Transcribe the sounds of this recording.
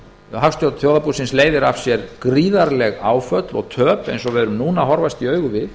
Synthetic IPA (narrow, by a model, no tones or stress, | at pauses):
ɦafst̪jowt̪θjoːwðapusɪnsleːjðɪɾafsjɛɾkɾiːðaɾlɛɣaːwfœt̪lɔ̰ɣt̪ʰœːpḛjnsɔvɛðɾʏmnuːnaɦɔɾvast̪iœːɥɣʏvɪð